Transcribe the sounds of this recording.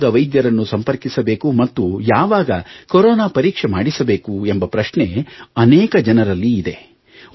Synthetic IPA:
d̪ɐʋɐjd̪jɐɾɐnːusɐmpɐɾkisɐbe̞ːkumɐt̪ːujaːʋaːɡɐkoɾɔːnaːpɐɾiːkʂemaːɽisɐbe̞ːkuembɐpɾɐʃɳeɐnɛːkɐd͡ʒɐnɐɾɐlːiːd̪e̞

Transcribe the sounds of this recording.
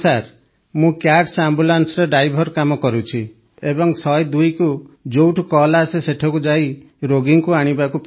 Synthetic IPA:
saɾ | mũkjaʈsambulansɔɾeɖajbʱɔɾkamɔkɔɾut͡ʃʰi | ebɔŋsɔjd̪ujkud͡ʒowʈʰkɔlaseseʈʰɔkud͡ʒai | ɾoɡiŋkuaɽ̃ibakup

